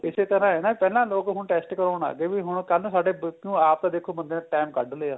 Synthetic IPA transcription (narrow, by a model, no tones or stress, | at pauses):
ɪseːt̪əɾãːɛːnaːiːpɛːlãːloːkɦʊɳʈɛːsʈkəɾoːɳa̰ːɡeːʋiɦʊɳkəlnũːsaːɖeːbũːaːp̚t̪ãːd̪eːkʰːoːbənd̪ẽːʈɛːmkəɖleːaː